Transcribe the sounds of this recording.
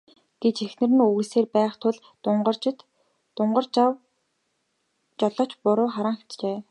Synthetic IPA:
ɡ̥et͡ɕexnɘ̆rɘ̆nuɣɘ̆seːrpæːχt̪ʰʊɮ | ɢt͡ɕt̪ | ʊɴɢə̆rw | t͡ɕɔɮɔːt͡ɕpʊɾʊːχaɾaːŋxe̥t͡ɕt͡ɕeː

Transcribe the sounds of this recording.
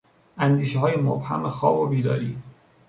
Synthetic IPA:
ʔænd̪iːʃeɦɒːjemobhæ̰mexɒːbobiːd̪ɒ̰ːɾḭː

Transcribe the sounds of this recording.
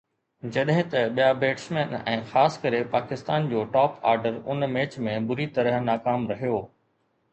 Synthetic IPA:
d͡ʑɐɗɦɪ̃t̪ɐɓijabeːʈsmẽːnɛ̃ːxaːskɐɾepaːkɪst̪aːnd͡ʑoːʈaːpa̰ːɾɖəɾʊ̰nmeːt͡ɕmẽbʊɾit̪ɐɾəɦnaːkaːmɾɐɦijoː

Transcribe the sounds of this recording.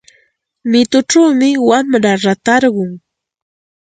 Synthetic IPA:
mɪt̪ʊʈ͡ʂawmɪwamɾaɾat̪aɾɢʊŋ

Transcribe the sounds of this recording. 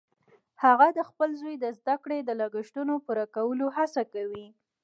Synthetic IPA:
haɣad̪əxpəlzojd̪əzd̪akɽed̪əlaɡəʃʈ̪unopuɾakawəlohasakawi

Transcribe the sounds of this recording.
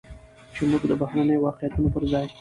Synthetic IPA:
t͡ʃemuɡd̪əbahɾanəjowɑqejat̪unopəɾzɑj

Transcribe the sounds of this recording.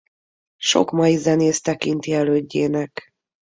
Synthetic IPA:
ʃo̞̰kmɒjizɛneːst̪ɛkint̪iɛløːɟːeːnɛk

